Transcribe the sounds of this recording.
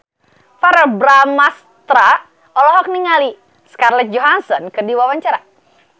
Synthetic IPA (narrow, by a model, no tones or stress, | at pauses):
faɾɛbɾamas | t̪ɾa | ɔlɔɦɔk̚niŋali | skarlɛt̪̚d͡ʒɔɦansɔnkɨrdiwawaɲt͡ʃaɾa